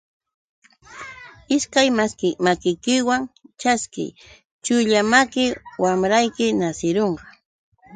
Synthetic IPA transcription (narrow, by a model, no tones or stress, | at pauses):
ɪskajmaskɪmakɪjkɪwaŋt͡ʃaskɪ̰j | t͡ʃʊʎamakɪwamɾajkɪnasɪɾoɴqɑ̥